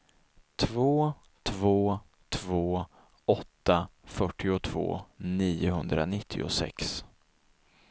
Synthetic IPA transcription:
t̪ʰvoː | t̪ʰvoː | t̪ʰvoː | ɔt̪ːafœʈʰːɪʊt̪ʰv̥o̰ːniːʊɦɵnd̪ɾa̰nɪt̪ʰːɪ̰ʊ̰sɛ̰ks

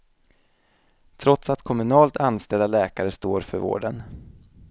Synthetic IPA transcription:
t̪ʰɾɔt̪sat̪kʰɔmɵnɑːlt̪ʰanst̪ɛld̪alɛːkaɾəst̪oːɾfœɾvo̰ːɖən

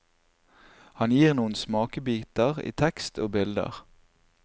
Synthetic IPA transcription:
hɑnjiːʁnuːən̩smɑːkəbiːt̪əʁḭːt̪ʰɛkst̪ʰoːbɪld̪ə̰ʁ

